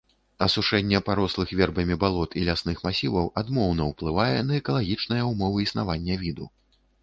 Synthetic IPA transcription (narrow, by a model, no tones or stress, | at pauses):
ɐsuʂɛnʲːɛpaɾɔslˠɨxvʲɛrbɐmʲibalˠɔt̪ʰilʲasnɨxmasʲivɐwʔad̪mɔwnɐwplˠɨvajɛnɐɛkɐlˠaɣʲit͡ʂnɐjɐumɔvɨisnavanʲːɛvʲid̪u